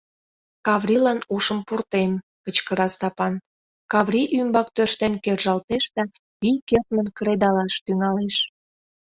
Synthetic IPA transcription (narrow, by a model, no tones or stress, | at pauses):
kɑβrʲilɑnuʃəmpurt̪emkət͡ɕkəɾɑst̪ɑpɑn | kɑβriʔymbɑk̚t̪ørʃt̪enkerʒɑlt̪eʃd̪ɑ | βijket̪mənkɾed̪ɑlɑʃt̪yŋɑleʃ